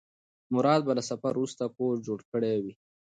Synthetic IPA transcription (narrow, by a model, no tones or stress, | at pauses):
mʊɾɑːd̪̚balasafaɾust̪akoɾd͡ʒoɽkəɽewi